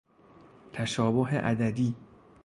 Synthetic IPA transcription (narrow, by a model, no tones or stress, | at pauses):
t̪ʰæʃɒːboɦḛʔæd̪æd̪iː